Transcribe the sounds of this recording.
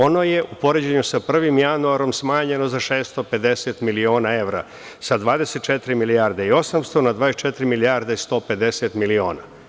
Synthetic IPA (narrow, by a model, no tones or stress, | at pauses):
o̞no̞je̞ʔupo̞ɾed͡ʑeɲusapr̩ʋimjanuaɾo̞msmaːɲe̞no̞zaʃeːst̪o̞pe̞d̪eset̪milio̞ːnae̞ʋɾa̰ | sad̪ʋaːd̪eset̪̚t͡ʃet̪ɾimilijaɾd̪eio̞samst̪o̞nad̪ʋaːest͡ʃet̪ɾimiliaɾd̪aist̪o̞ːpe̞d̪eset̪milio̞ːna